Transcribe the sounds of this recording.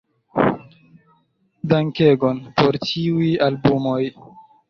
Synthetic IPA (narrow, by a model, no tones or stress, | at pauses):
daŋke̞ɡo̞npoɾt͡ʃiujalbumo̞j